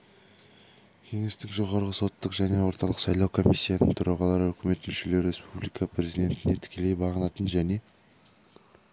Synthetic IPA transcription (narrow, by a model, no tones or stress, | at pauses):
kʲʰe̞ŋe̞st̪ɪŋʒo̞ʁɑɾʁəso̞t̪ːəqʒæne̞wo̞ɾt̪ɑlˠəqsɑjlˠɑwkʰo̞misʲːijanəɴt̪ʰʊɾʔɑʁɑlˠɑɾəɵkʲɪme̞t̪mʏʃe̞le̞ɾe̞spublˠijkɑpɾe̞zijd̪e̞nt̪ɪne̞t̪ʰɪ̥kʲʰe̞le̞jbɑʁənɑt̪ənʒæne̞